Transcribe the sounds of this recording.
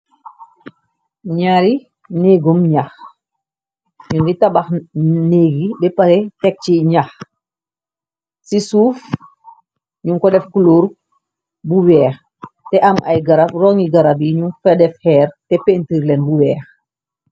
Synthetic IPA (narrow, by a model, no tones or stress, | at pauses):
ɲaɾi | neɡumɲax | ɲunɡitabaxneːɡibɛpaɾɛtɛk̚t͡ʃiɲax | sisuːf | ɲuŋkɔdɛfkuluːɾ | buwɛːx | tɛʔamʔa̰jɡaɾafrɔŋiɡaɾabiɲumfɛdɛfhɛːɾtɛpentiɾlɛnbuwɛːx